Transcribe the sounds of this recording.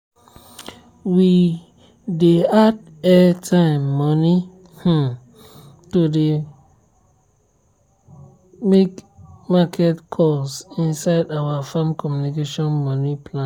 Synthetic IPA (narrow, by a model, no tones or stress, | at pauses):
wi | dead | ɛtʰãɪ̃mːɔni | h̩ | tode | mekmakʰɛtkʰɔlsĩnsaɪdawafãmkʰɔmjunikeʃɔ̃nmɔnipʰlã